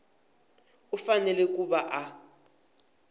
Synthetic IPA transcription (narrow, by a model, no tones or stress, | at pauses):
ufanɛlɛk̬uɓaʔa